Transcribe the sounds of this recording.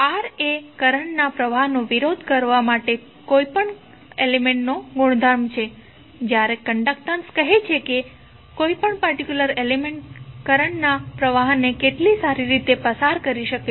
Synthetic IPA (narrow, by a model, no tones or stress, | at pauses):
aɾekəɾəɳnapɾəʋaɦnoʋiɾod̪ʱkəɾʋamaʈe | koipəɳ | elemẽɳʈnoɡʊɽ̃d̪ʱaɾmt͡ʃʰe | d͡ʒjaɾekəɳɖək̚ʈ̪ə̃nskəɦet͡ʃʰeke | koipəɳpəɾʈikjuləɾelemeɳʈkəɾəɳnapɾəʋaɦnekeʈlisaɾiɾit̪epəsaɾkəɾiʃəke